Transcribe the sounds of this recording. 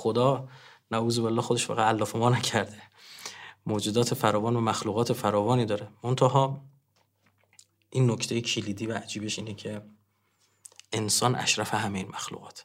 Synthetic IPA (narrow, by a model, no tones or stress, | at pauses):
xo̞d̪ɒː | næuːzobelːɒːxod̪e̞ʃfɒ̰ːɣæælːɒːfemɒːnæcʰæɾd̪e̞ | moːd͡ʒud̪ɒːt̪ʰe̞fæɾɒːvɒːnvæmæxluːɣɒːt̪ʰefæɾɒːvɒːniːd̪ɒːɾemont̪ʰæɦɒː | ʔiːnːocʰt̪e̞jecʰiliːd̪iːvææd͡ʒiːbe̞ʃiːnecʰe̞ | ʔensɒːnʔæ̰ʃɾæfeɦæmejiːnmæxlṵːɣɒ̰ːt̪ʰ